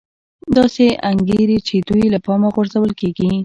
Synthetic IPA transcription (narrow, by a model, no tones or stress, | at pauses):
d̪ɑseʔaŋɡeɾet͡ʃed̪ujlapɑmaɣwəɾzawəlkeɡi